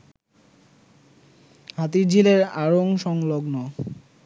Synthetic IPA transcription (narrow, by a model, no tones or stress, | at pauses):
ɦat̪iɾd͡ʑʱileɾaɾoŋʃɔŋloɡno